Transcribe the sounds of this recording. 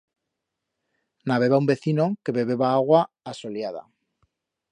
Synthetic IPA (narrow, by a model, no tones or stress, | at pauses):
naβ̞e̞βaumbe̞θino̞ke̞βe̞βe̞βaaɣwaː | so̞ljað̞a̰